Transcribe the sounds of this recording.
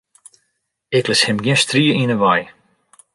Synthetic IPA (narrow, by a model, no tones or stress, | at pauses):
ɪklɪshɪmɡjɪ̃nstriəinəʋaj